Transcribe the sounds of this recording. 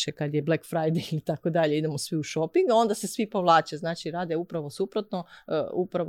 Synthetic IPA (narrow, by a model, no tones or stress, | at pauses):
ʃekad̪jeblekfɾajd̪ejit̪akod̪aʎe̞id̪emosʋiuʃo̞piŋɡo̞nd̪ase̞sʋipo̞ʋlˠaːt͡ʃaznaːt͡ʃiɾaːd̪e̞upɾaʋo̞supɾo̞t̪noupɾa